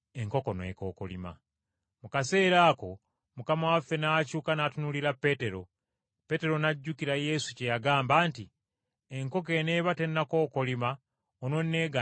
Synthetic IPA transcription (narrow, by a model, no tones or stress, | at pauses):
e̞ŋko̞ko̞nwḛko̞ːkolḭma̰ | mukase̞ːɾaːko̞ | mukamawafːe̞nacuːkanatunuliɾapːe̞te̞ɾo̞ | pe̞ːte̞ɾo̞naɟːukiɾaje̞sucejaɡaːmbaːnti | e̞ŋko̞k̬e̞ne̞ːβate̞nːako̞ːkolima | ono̞nːe̞ːɡa